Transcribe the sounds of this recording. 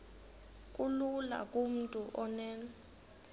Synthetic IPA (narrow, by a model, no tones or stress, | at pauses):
kʼulula̰kʼum̩tʼuʔɔnɛːnɔ